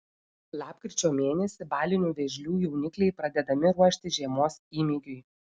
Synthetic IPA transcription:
lˠɑːpkɾʲɪt͡ʃʲoːmʲeːnʲɛsʲɪbɑːlʲɪnʲuːʋʲɛʒʲlʲuːjɛʊnʲɪklʲɛɪpɾɐd̪ʲɛd̪ɐmʲɪɾuɔʃʲt̪ʲɪʒʲiɛmoːsiːmʲiɡʲʊɪ

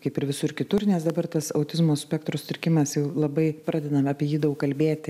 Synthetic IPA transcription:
kɐɪpɪɾʋʲɪsʊɪɾkʲɪt̪ʊrnʲɛsd̪ɐbɐrt̪ɐsɐʊt̪ʲɪzmoːsʲpʲɛkt̪ɾost̪ʲɪɾʲkʲɪmɐsjɛʊlˠɐbɐɪpɾɑːd̪ʲɛd̪ɐmɑːpʲiɛjiːd̪ɐʊkkɐlʲbʲeːt̪ʲɪ

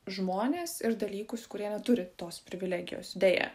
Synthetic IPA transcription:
ʒmoːnʲeːsɪɾd̪ɐlʲiːkʊskʊɾʲiɛnʲɛt̪ʊɾʲɪt̪oːspʲɾʲɪʋʲɪlʲæːɡʲɪ̰jo̰ːsɪd̪ʲeːjɛ̰ː

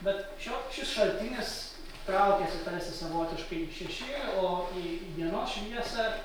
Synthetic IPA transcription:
bʲɛt̪ʃʲoːʃʲɪsʃɐlʲt̪ʲɪnʲɪs | t̪ɾɐˑʊkʲeːsʲɪt̪ɐlʲsʲɪsɐʋoːt̪ʲɪʃkɐɪʃʲɛʃʲɪoːiʋʲiɛnoːsʃʲʋʲiɛsɐ

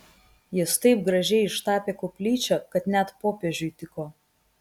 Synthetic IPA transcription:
jɪst̪ɐɪp̚ɡɾɐʒʲɛɪɪʃt̪ɑːpʲeːkoːpʲlʲiːt͡ʃʲokɐt̪nʲɛt̪poːpʲeːʒʲʊjt̪ʲɪkoː

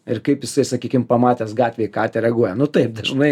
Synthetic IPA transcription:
ɪrkɐɪpjɪsɐɪsɐkʲiːkʲɪmpɐmɑːt̪ʲɛːsɡɑːtʲʋʲeːɪkɑːt̪ʲɛɾʲɛɡuɔjɛnʊt̪ɐɪp̚d̪ɐʒnɐɪ

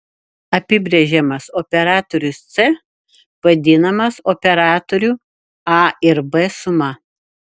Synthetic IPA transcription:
ɐpʲɪbʲɾʲɛʒʲɛmɐsɔpʲɛɾɑːt̪ɔɾʲʊst̪sɛ | ʋɐd̪ʲɪnɐmɐsɔpʲɛɾɑːt̪oɾʲuː | ɑɪɾbɛsʊmɐ

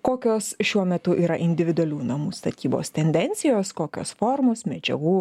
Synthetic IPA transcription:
koːkʲoːsʃʲuɔmʲɛt̪ʊʔiːɾɐʔɪnʲd̪ʲɪʋʲɪd̪ʊɐlʲuːnɐmuːst̪ɐt̪ʲiːbo̰ːst̪ʲɛnʲd̪ʲɛnʲt̪sʲɪjoːskoːkʲo̰ːsfoːɾmoːsmʲɛd͡ʒʲɛ̰ɡuː

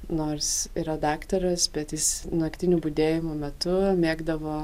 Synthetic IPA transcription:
noːrsiːɾɐd̪ɑːkt̪ɐɾɐsbʲɛt̪jɪsnɐkt̪ʲɪnʲuːbʊd̪ʲeːjɪmuːmʲɛt̪ʊmʲeːɡd̪ɐʋoː

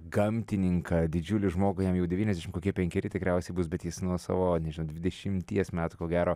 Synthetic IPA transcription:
ɡɐmʲtt̪ʲɪnʲɪŋkɐd̪ʲɪd͡ʒʲuːlʲɪʒmoːɡʊjɛmjɛʊdʲɛʋʲiːnɛzd̪ʲæʃɪmkoːkʲiɛpʲɛŋʲkʲɛɾʲɪt̪ʲɪkɾʲɛʊsʲɛɪbʊsbʲɛt̪jɪsnuɔsɑ̰ːʋoːnʲɛʒɪnoʊd̪ʲʋʲɪd̪ʲɛʃʲɪmʲt̪ʲiɛsmʲæːt̪ʊkoːɡʲæːɾoː

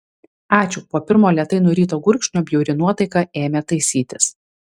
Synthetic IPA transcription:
ɑːt͡ʃʲʊpoːpʲɪɾmoːlʲiɛt̪ɐɪnʊɾʲiːt̪oːɡʊɾʲkʃʲnʲoːbʲjɛʊɾʲɪnuɔt̪ɐɪkɑeːmʲet̪ɐɪsʲiːt̪ʲɪs

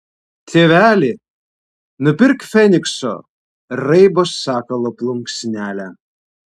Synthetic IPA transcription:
t̪ʰʲeːʋʲæːlʲi | nʊpʲɪɾkfʲɛnʲɪkso̰ | ɾɐɪboːsːɑːkɐlˠoplˠʊŋksʲnʲæːlʲæ

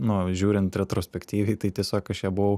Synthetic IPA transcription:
nʊʒʲuːɾʲɪnt̪ɾʲɛt̪ɾoːsʲpʲɛkt̪ʲiːʋʲɛɪt̪ɐɪt̪ʲiɛsʲoːkɐʃjɛbʊʋɐʊ

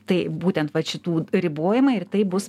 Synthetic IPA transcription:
t̪ɐɪbuːt̪ʲɛnt̪ʋɐʃʲɪt̪uːɾʲɪboːjɪmɐɪt̪ɐɪbʊs

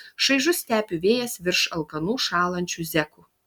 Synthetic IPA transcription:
ʃɐɪʒʊsʲt̪ʲæːpʲʊʋʲeːjɛsʋʲɪɾʃɐlˠkɐnuːʃɑːlˠɐnʲt͡ʃʲuːzʲɛkuː

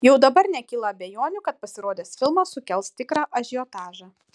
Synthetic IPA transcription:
jɛʊd̪ɐbɐɾnʲɛkʲiːlˠɐːbʲejoːnʲʊkɐt̪̚pɐsʲɪɾoːd̪ʲeːsfʲɪlˠmɐsʊkʲɛlˠst̪ʲɪkɾɑːʔɐʒʲɪot̪ɑːʒɑ

